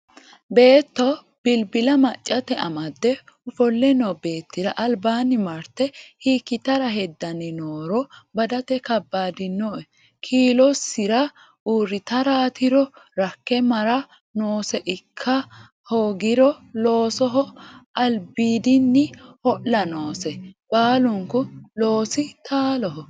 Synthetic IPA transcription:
be̞ːt̪ːɔ | b̥ɪlbɪlɐmɐt͡ʃʼːɐt̪ɛʔɐmɐd̪ːɛʊfɔlːɛnɔbe̞ːt̪ːɪɾɐʔɐlbaːnɪmɐɾt̪ɛhiːkːɪt̪ɐɾɐɦɛd̪ːɐnɛnoːɾɔbɐd̪ɐt̪ɛkɐbːaːd̪ɪnːɔɛ | kʰiːlɔsːɪɾɐ | uːɾːɪt̪ɐɾaːt̪ɪɾɔɾɐkːɛmɐɾɐ | noːsɛʔɪkʰːɐ | hoːɡɪɾɔlo̞ːsɔɦɔɐlbiːd̪ɪnːɪhɔʔlɐnoːsɛb̥aːlʊŋkʊlo̞ːsɪt̪ʰaːlɔɦɔ

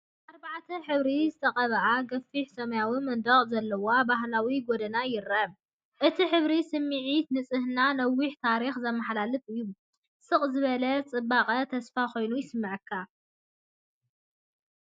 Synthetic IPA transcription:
ʔaɾbaʕt̪ʰɐħɨβɾizɨt̪ʰɐχʼɐβɐʔaɡɐfːiħsɐmɐjawimɨnd̪ɐχʼzɐlːɐwabaɦlawiɡod̪ɐnajɪɾːɐβ | ʔɨt̪ʰiħɨβɾisɨmːɨʕit̪nɨt͡sʼɨhnanɐwiħt̪ʰaɾixzɐmːɐħlalɨt̪ʼɨjːu | sɨχʼzɨβɐlɐt͡sʼɨbːaqʼɐt̪ʰɐsfakʰo̞jnujɪsɨmːɨʕɨkʰːa

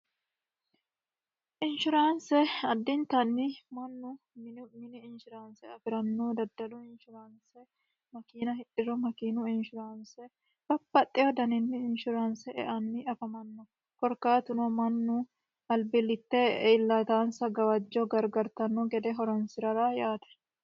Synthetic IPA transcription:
ʔɪnʃʊɾaːnsɛɐd̪ːɪnt̪ɐnːɪmɐnːʊ | mmɪnɪːnʃʊɾaːnsɛɐfɪɾɐnːɔd̪ɐd̪ːɐlʊɪnʃʊɾaːnsɛ | mɐkiːnɐɦɪᶑɪɾɔmɐkiːnʊɪnʃʊɾaːnsɛ | b̥ɐbːɐt̪ʼːɛwɔd̪ɐnɪnːɪɪnʃʊɾaːnsɛʔɛ̰ʔɐnːɪʔɐfɐmɐnːɔ | kɔɾkaːt̪ʊnɔmɐnːʊ | ɐlbɪlːɪt̪ːɛɪlːɐt̪aːnsɐɡɐwɐd͡ʒːɔɡɐɾɡɐɾt̪ɐnːɔɡɛd̪ɛɦɔɾɐnsɪɾɐɾajaːt̪ɛ̥

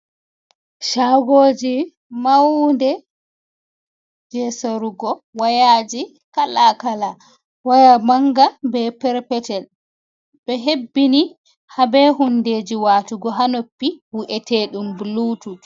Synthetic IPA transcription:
ʃaɡoːd͡ʒi | mawndɛ | d͡ʒɛsoɾuɡɔwajaːd͡ʒi | kalakala | wajamaŋɡabɛpɛɾpɛtɛl | bɛɦebːini | habɛhunded͡ʒiwaːtuɡɔɦanopːihuʔɛteːɗumbluːtu

